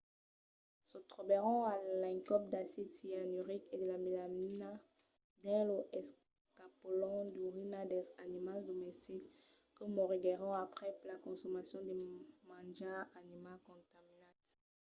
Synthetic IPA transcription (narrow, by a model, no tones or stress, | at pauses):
sɔt̪χɔbeʁɔ̃alãŋkɔp̚d̪asid̪sianyʁiked̪əlamilamina | d̪ɛ̃ləʔɛs | kapolɔ̃d̪yʁinad̪ɛzanimald̪ɔmɛst̪ikː | əmɔʁiɡeʁɔ̃apχɛplakɔ̃sɔmasjɔ̃d̪emãd͡ʒaanimalkɔ̃t̪aminat̪